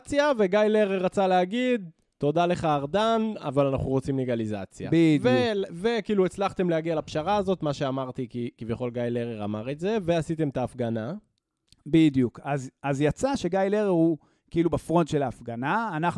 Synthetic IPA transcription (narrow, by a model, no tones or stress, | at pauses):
t͡sjave̞ɡajleʁeʁat͡saleaɡid̪̚ | to̞d̪ale̞χaːʁd̪ana̰valana̰χnuʁot͡simleɡaliza̰t͡sja̰biveve̞kiːluet͡slaχt̪e̞mleaɡialapʃaʁaːzo̞t̪maʃeamaʁt̪ikikivjaχo̞lɡajleʁeʁa̰maʁetze̞ve̞asit̪e̞mt̪aːfɡana | bid̪jukazazjat͡saʃe̞ɡajleʁeʁhu | kiilubafʁo̞ndʃe̞laːfɡanaːnaχ